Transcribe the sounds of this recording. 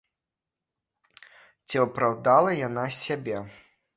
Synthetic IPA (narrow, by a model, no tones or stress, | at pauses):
t͡sʲiɐpɾawd̪alˠɐjanasʲabʲɛ